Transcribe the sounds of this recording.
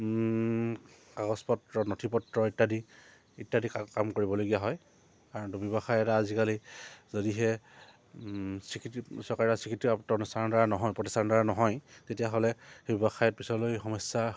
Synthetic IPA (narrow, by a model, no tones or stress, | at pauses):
kaɡɔspɔtɹɔnotʰipɔtɹɔitːadi | itːadikkamkoɹibɔloɡijaɦɔj | kaɹɔntubɔbaxajɛtaːzikalizodiɦɛ | sɹikitsɔɹkaɹɛtasɹikitiaptɔnustadaɹanɔɦɔjpɹɔtistandaɹanɔɦɔjtetijaɦolɛxebɔbaxajɔt̚pisɔlojxɔmɔsːa